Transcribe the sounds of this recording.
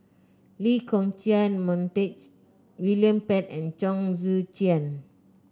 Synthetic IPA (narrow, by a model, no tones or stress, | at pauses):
likʰɔ̃ŋt͡ʃianmɔ̃ntet͡ʃ | wiliə̃mpɛtɛ̃nt͡ʃɔ̃ŋzut͡ʃiə̃n